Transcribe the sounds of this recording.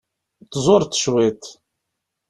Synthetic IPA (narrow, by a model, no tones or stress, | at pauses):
t̪ːzˤʊɾt̪ːʃwit̪